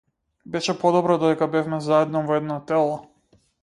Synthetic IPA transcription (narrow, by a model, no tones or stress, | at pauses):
bɛʃɛpɔd̪ɔbɾɔd̪ɔd̪ɛkabɛfmɛzaɛd̪nɔvɔɛd̪nɔt̪ɛlˠɔ